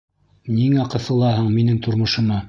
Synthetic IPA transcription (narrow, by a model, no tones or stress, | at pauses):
niŋæqɤ̆θɤ̆lˠɑhɤɴminɘŋt̪ʰŏɾmŏʃɤ̆mɑ